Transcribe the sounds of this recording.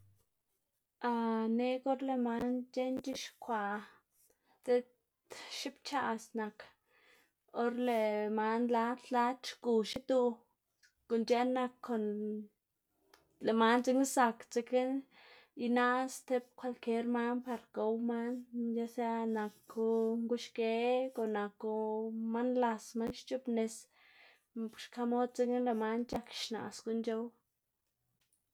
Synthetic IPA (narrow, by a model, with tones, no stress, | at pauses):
a˧ne˦ko˦ɾle˧ma˧˦nt͡ʃe˦nt͡ʃi˦ʃkʷa˨ | t͡s̪e˦t̪ | ʃi˦pt͡ʃa˧sna˧k | o˦ɾle˧ma˧nla˧˦t̪la˦t͡ʃku˨ʃi˦t̪u˧ | ko˨nt͡ʃe˦na˧kʰːo˨n | le˨ma˦nt͡se˧ŋi˦sa˧kt͡se˧ke˦n | i˧na˦st̪e˧˦p̚kʷa˧lke˦ɾma˦npa˧ɾko˧wma˦nja˧˦sa˦na˨kːo˧ŋɡu˦ʃke˧˦ko˨na˨ko˧ma˦nla˧sma˦nʃt͡ʃu˦pne˧s | ʃka˧mo˦d̪̚t͡se˧ke˦nle˨ma˧nt͡ʃa˦kʃna̰˨sko˨nt͡ʃo˦w